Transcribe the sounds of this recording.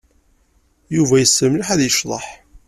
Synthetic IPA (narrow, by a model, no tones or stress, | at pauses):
juvæjəsːəmːlħæðjəʃðˤɑħ